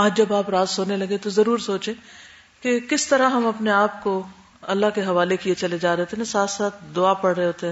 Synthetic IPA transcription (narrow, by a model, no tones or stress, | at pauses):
aːd͡ʒd͡ʒɐbaːpɾaːzsoːnelɐɡẽt̪ozɐɾuːɾsoːt͡ʃẽː | kekɪst̪ɐɾaɦɐmɐpneaːpko | ɐlːaɦkeɦɐʋaːlekiet͡ʃɐled͡ʒaːɾɐɦoːt̪eɦɛ̃saːt̪ʰsaːt̪ʰd̪ʊaːpɐɽɾɐɦeɦoːt̪eɦɛ̃